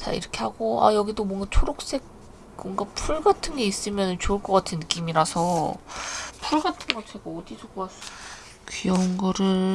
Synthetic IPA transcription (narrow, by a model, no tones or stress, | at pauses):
t͡ɕa̰ḭɾʌkʰe̞haɡoa̰jʌɡidomwʌŋɡat͡ɕʰoɾok̚s͈e̞k̚ | mʌŋɡapʰuɭɡatʰɯnɡe̞is͈ɯmjʌnɯnt͡ɕoɯɭk͈ʌk͈atʰɯnːɯk͈imiɾasʰʌ | pʰuɭɡatʰɯnɡʌtʰeɡoːdisʰokoas͈ | kɥijʌŋɡʌɾɯɭ